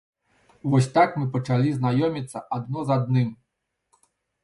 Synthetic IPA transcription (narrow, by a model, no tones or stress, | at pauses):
vɔsʲt̪akmɨpɐt͡ʂalʲiznajɔmʲit̪sːɐʔad̪nɔzad̪nɨm